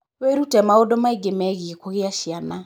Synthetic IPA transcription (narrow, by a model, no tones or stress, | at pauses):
weɾutɛmaodɔmaiɡemɛɣiekoɣeaʃiana